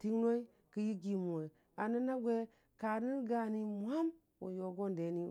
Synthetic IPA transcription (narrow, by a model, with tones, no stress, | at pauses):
ti˦ŋno˦i˦ | kə˦ji˦ɡi˨mu˨we˨ | a˨nə˦na˦ɡʷe˦ | ka˨ɾni˦ɾɡa˦˨ni˦mʷ˦a˦m | wo̰˨jo˨ɡo˦nde˨˦ni˦